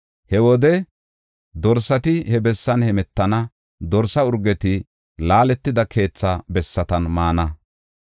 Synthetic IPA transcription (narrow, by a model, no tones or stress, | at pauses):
hɛwɔd̪ɛ | d̪ɔɾsɐt̪ɪhɛbɛsːɐnhɛmɛt̪ːɐnɐ | d̪ɔɾsɐʊɾɡɛt̪ɪ | laːlɛt̪ːɪd̪ɐkʰe̞ːt͡sːɐbɛsːɐt̪ɐnmaːnɐ